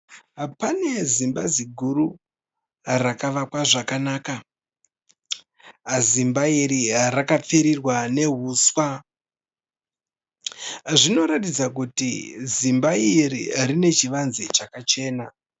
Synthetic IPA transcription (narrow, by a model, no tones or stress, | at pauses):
pane̞zimbaziɡʱuɾu | rakaʋakwaʐakanaːka | zimbaiɾirakap͡fiɾirwane̞ɦuːswa | ʐino̞ɾatid͡zak̬utizimbairḭrine̞t͡ʃiʋanzit͡ʃakat͡ʃe̞ːna